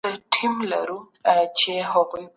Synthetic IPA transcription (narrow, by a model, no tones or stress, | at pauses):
aʈʰimla̰ɾu | t͡ʃeɦaɣuj